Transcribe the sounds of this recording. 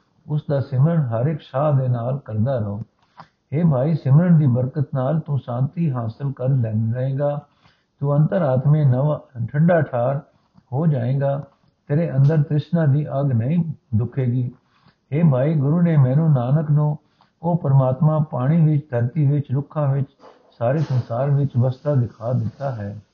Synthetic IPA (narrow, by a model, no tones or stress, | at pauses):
ʊsd̪aːsɪmɾəɽɦəɾɪkʃaːd̪eːnaːlkɐɾd̪aːɾɐɦoː | ɦeːbʱaːiːsɪmɾəɳd̪iːbəɾkət̪naːlt̪ũsãːnt̪iɦaːsɪlkəɾlɛːəẽːɡaː | t̪ũɐ̃nt̪əɾaːt̪mẽnʈʰəɖaːʈʰaːɾ | ɦoːd͡ʒaːẽːɡaː | t̪eːɾeʔɐ̃nd̪əɾt̪ɾɪʃnãːd̪iːʔɐɡnɐĩːd̪ʊkʰeːɡiː | ɦeːbʱaːiːɡʊɾuːnemɛ̃ːnũːnaːnəknũː | koːpəɾmaːt̪mãːpaːɽ̃iʋɪt͡ʃd̪ʱəɾt̪iʋɪt͡ʃɾʊkʰãːʋɪt͡ʃ | saːɾesɐ̃nsaːɾʋɪt͡ʃʋəst̪ad̪ɪkʰad̪ɪt̪aːɦɛː